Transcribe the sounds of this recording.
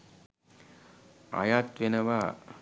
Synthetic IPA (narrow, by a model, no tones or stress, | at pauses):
a̰jat̪ʋenɐʋa